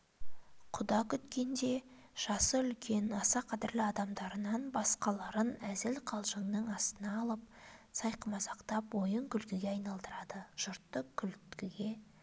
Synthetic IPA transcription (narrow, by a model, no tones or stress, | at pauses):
qʰʊd̪ɑkʲʰʏt̪kʲe̞nd̪e̞ | ʒ̥ɑsəʏlkʲʰe̞nɑsɑqʰɑd̪ɪɾlɪɑd̪ɑmd̪ɑɾənɑnbɑsqɑlˠɑɾənæzɪlqʰɑlˠʒəŋnəŋɑst̪ənɑːlˠəp̚sɑjqəmɑsɑqt̪ɑpwo̞jəŋkʲʰʏlkʲɪɡʲe̞ɑjnɑlˠd̪əɾɑd̪əʒ̥ʊɾt̪ːəkʲʰːʏlkʲɪɡʲe